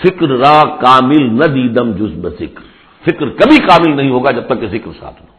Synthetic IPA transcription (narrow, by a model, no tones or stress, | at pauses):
fɪkɾɾãːkaːmɪlnɐd̪ĩːd̪əmd͡ʒʊzbzɪkɾ | fɪkɾkɐbʱikaːmɪlnɐɦĩːɦoːɡaːd͡ʑɐb̚t̪ɐkːezɪkɾsa̰ːt̪ʰun